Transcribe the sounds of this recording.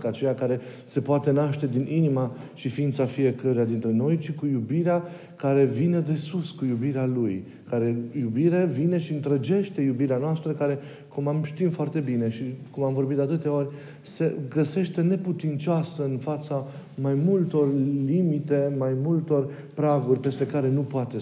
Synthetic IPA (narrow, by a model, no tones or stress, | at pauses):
kat͡ʃe̞jakaɾe̞ | se̞poat̪e̞naʃt̪e̞d̪ininimaʃifiint̪safije̞kəɾejad̪int̪ɾe̞no̞jt͡ʃikujubiɾea | kaɾe̞vine̞d̪e̞suskujubiɾealuj | kaɾe̞jubiɾevine̞ʃiɨnt̪ɾəd͡ʒe̞ʃt̪e̞jubiɾeanoast̪ɾəkaɾe̞ | kumamʃt̪imfoart̪e̞bine̞ʃikumamvo̞rbit̪d̪at̪ɨt̪eo̞ɾʲ | se̞ɡəse̞ʃt̪e̞ne̞put̪int͡ʃoasəɨnfat̪samajmult̪o̞rlimit̪e̞majmult̪o̞r | pɾaɡurʲpe̞st̪e̞kaɾe̞nupoat̪e̞